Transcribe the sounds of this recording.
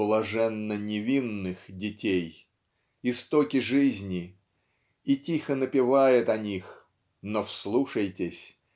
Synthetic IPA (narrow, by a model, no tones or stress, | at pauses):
lˠɐʐɛnːənʲɪvʲinːɨxdʲɪtʲej | ɪst̪okʲɪʐɨzʲnʲɪ | itʲixənəpʲɪvajɪt̪ɐnʲix | nofslˠuʂəjtʲɪsʲ